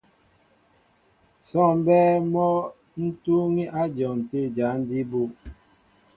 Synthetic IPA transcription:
sɔ˦˨m˦bɛː˦mɔ˦ | n̩˦tu˦ŋi˦ʔa˦d͡ʒɔ˨n̩˨te˦˨d͡ʒa˨˦n̩˦di˦bo˦˨

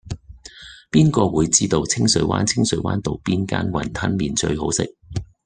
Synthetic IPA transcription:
piː˥nkɔː˧wuː˨˧jt͡siː˥t̪o˧wt͡sʰɪ˥ŋsɵ˨˥ɥwa̰ː˥nt͡sʰɪ˥ŋsɵ˨˥ɥwaː˥nt̪o˨˧wpiː˥nka̰ː˥nwɐ˨˩nt̪ʰɐ˥nmiː˨nt͡ʃɵ̰˧ɥɦo˨˧˥wsɪ̰˨k̚

